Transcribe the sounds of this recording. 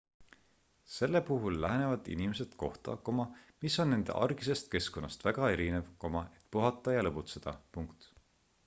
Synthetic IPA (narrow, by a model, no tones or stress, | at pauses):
se̞lːe̞puɦulːæɦenevɑd̪̥ḭnimese̞d̪̥ko̞̰ht̪ɑ̰komɑmiso̞nːe̞nd̪̥ḛʔɑ̰rɡ̥ise̞st̪̚ke̞sko̞nːɑst̪væɡ̥ɑe̞ɾine̞vko̞mɑe̞t̪ˑpuɦɑt̪ˑːɑjɑlɤput̪se̞d̪̥ɑ̰puŋkt̪